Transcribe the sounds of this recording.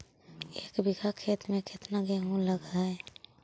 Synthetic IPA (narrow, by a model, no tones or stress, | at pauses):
eːkbɪɡakʰeːt̪mẽkʰet̪naɡeɦũləɡaɛ